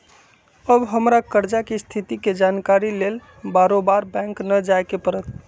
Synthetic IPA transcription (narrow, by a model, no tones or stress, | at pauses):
əbɦəmɾakəɾd͡ʒakest̪ʰit̪iked͡ʒankaɾilel | baɾobaɾbɛ̃ŋknəd͡ʒajkepəɾət̪̚